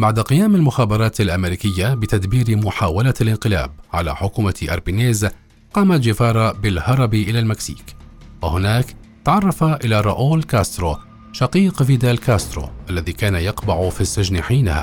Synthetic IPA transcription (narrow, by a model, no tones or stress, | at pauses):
baʕd̪aqɪjaːmalmʊxaːbɑɾˤɑːt̪alʔamɪɾiːkɪjːabɪt̪ad̪biːɾmʊħaːwalalʔɪnqɪla̰ːbʕala̰ːħʊkuːmaʔɑ̰ɾˤbineːz | qɑːmat̪d͡ʒɪfɑːɾˤɑbɪlhɑɾˤɑbiʔɪlaːlmaksḭːkwahʊnaːkt̪aʕɑrˤːɑfaʔɪlaɾˤɑ̰ʔoːlkaːst̪ɾoː | ʃɑqiːqviːd̪alkaːst̪ɾo̰ːʔalːaðiːkaːnajɑqbaʕʊfisːɪd͡ʒnħiːnaha̰ː